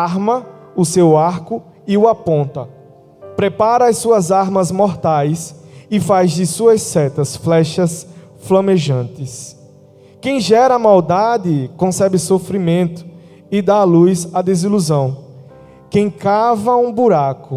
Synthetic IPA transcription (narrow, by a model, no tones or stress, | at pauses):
aɾmɐ | ʊsewaɾkʊ | ɪuapõnt̪ɐ | pɾepaɾɐajsuɐzaɾmɐzmɔɾt̪ajsɪfazd̪ɪsuɐsːɛt̪ɐsflɛʃɐs | flɐ̃meʒɐ̃nt̪ɪs | kẽj̃ʒɛɾɐːmawd̪ad̪ɪkõsɛbɪsofɾimẽnt̪ʊ̥ | ɪd̪alujzad̪eziluzɐ̃w̃ | kẽj̃kavɐũbuɾakʊ